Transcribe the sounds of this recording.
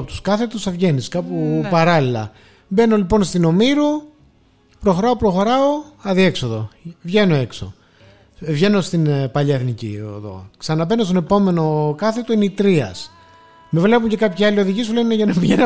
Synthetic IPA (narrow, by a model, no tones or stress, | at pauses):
pot̪u̥skɐθe̞t̪usɐvʝe̞niskɐpupɐɾɐlilɐ̰ | be̞no̞lipo̞nst̪ino̞miɾu | pɾo̞xoɾɐopɾo̞xo̞ɾɐo̞ɐðie̞kso̞ðo̞̰vʝe̞no̞e̞kso̞̰ | vʝe̞no̞st̪inpɐʎɐeθnicḭḛðo̞̰ksɐnɐbe̞nost̪one̞po̞me̞no̞kɐθe̞t̪oineit̪ɾiɐ̰s | me̞vle̞puɲce̞kɐpçiɐlio̞ðiʝisuleneʝɐnɐpiʝen